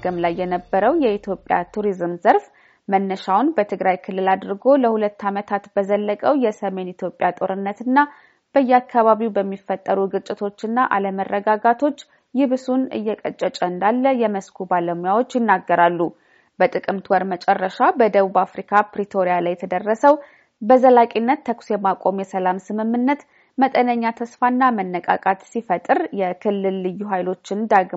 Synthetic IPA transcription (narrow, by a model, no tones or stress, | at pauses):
ɡɨmlajːɛnəbːəɾəwjɛit̪ʰjo̞pʼja̰t̪ʰuɾizmzəɾf | mənːəʃawʊnbət̪ʰɨɡɾajkʰɨlːɨlad̪ɾɡo̞ləhulət̪ːamət̪ʰat̪b̥əzəlːəkʼəwjɛsəme̞nit̪ʰjo̞pʼːjat̪ʼo̞ɾɨnːət̪ɨnːa | b̥əjːɛakʰːaβaβiwbəmːifːət̪ʼːəɾuɡɨt͡ʃʼːɪt̪ʰo̞t͡ʃːɨnːaʔa̰ləmərːəɡaɡat̪ʰo̞t͡ʃː | jɪβsunɨ̰jːɛkʼət͡ʃʼːət͡ʃʼəɨnd̪alːəjɛməskʰubaləmujawo̞t͡ʃːjɪnːaɡːəɾalːu | b̥ət̪ʼɨkʼɨmt̪ʰwɔɾmət͡ʃʼɛrːəʃabəd̪əβubafɾikʰapɾit̪ʰo̞ɾijalajt̪ʰəd̪ərːəsəw | bəzəlakʼinːət̪ːʰəksjɛmakʼo̞mjɛsəlamsɨmɨmːɨnːət̪ | mət̪ʼənəɲːat̪ʰəsfanːamənːəkʼa̰kʼat̪sifət̪ʼɨɾjɛkʰɨlːɨlːɨjːuɦajlo̞t͡ʃːɪnd̪aɡ